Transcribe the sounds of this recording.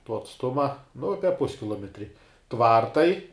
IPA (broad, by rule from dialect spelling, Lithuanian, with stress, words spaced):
tuɔ ɐtsˈtʊmɐ nʊ ˈɑːpʲɛ ˈpʊsʲkʲɪlˠoːmʲɛtʲrʲɪ ˈtʋɐrtɐɪ